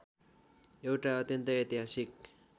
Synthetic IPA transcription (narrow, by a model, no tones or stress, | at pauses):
ewʈaʌt̪jʌnt̪ʌjet̪iɦasik̚